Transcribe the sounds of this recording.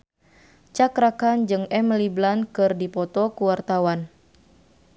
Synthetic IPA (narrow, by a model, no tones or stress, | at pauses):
t͡ʃakɾakand͡ʒɨŋɛmliblankɨrdipɔt̪ɔkuwart̪awan